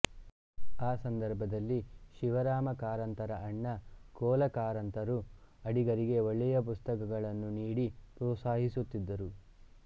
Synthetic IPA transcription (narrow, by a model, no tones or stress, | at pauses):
aːsɐnd̪ɐɾbʱɐd̪ɐlːiʃiʋɐɾaːmɐkaːɾɐnt̪ɐɾɐʔɐɳːɐkɔːlɐkaːɾɐnt̪ɐɾuɐɽiɡɐɾiɡe̞oɭːɛjɐp̬ust̪ɐkɐɡɐɭɐnːuniːɽipɾɔːsaːɦisut̪ːid̪ːɐɾu